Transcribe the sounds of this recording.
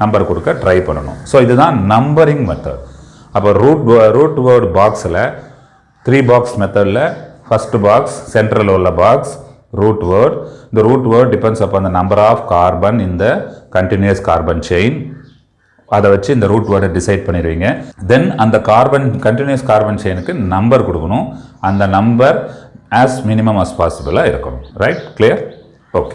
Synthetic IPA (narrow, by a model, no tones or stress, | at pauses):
nɐmbɐɾkɔɽɯkːɐɖɾɐɪpɐɳːɐɳʊ̰̃soːɪðɯt̪ãːnɐmbɐɾɪ̃ŋɡmɛt̪ːɐ̰d | ɐpːoːɾuːʈʋɾuːʈʋɐːɾɖbaːksɪlɐ | t̪ɪɾiːbaːksmɛt̪ɐðɪlɐfɐsʈbaːkssɛɳʈɾɐloːlɐbaːks | ɾuːʈʋɐɾɖɪnd̪ɐɾuːʈʋɐɾɖɖɪpɛnɖsɐpːoːɐnd̪ɐnɐmbɐɾaːfkaːɾbɐnɪnd̪ɐkɐɳʈɪnjʊɐskaːɾbɐnt͡ʃeɪn | ɐðɐʋɐt͡ʃːɯɪnd̪ɐɾuːʈʋɐːɾɖɐɖɪsɐɪɖ̚pɐɳːɪɾɯʋiːŋɡɐd̪ɛnɐnd̪ɐkaːɾbɐnkɐɳʈɪnjɐskaːɾbɐnt͡ʃeɪnɯkːɯnɐmbɐɾkɔɽɯkːɐɳʊ̃ɐnd̪ɐnɐmbɐɾæːsmɪnɪmɐmɐspaːsɪbɐlaːɪɾɯkːɐɳʊ̃ɾɐɪʈ̚kliːɐɾ | oːke̥